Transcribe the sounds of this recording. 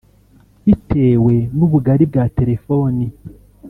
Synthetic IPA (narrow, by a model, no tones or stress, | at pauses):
βitʰe̞ːwe̞nuβuɡaɾib̚ɡaːte̞ɾe̞fo̞ːni